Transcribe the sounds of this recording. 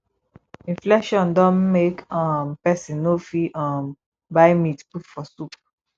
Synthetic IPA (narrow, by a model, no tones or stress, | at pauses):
ĩnflɛkʃɔ̃ndɔ̃nmekɔ̃mpɛsĩnnofiʔɔ̃m | baɪmitputfɔsup